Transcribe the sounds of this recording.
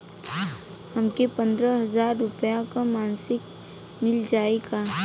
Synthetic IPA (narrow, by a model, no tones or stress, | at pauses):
hɐmkepɐ̃nd̪ɾəɦɐzaːɾːʊpjakamaːnsɪk | mɪld͡ʒaːeɡaː